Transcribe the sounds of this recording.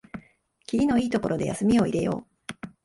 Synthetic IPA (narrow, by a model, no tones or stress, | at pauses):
kʲiɾʲino̞iːt̪o̞ko̞ɾʔo̞d̪e̞ja̰sɨmʲio̞iɾe̞jo̞̰ː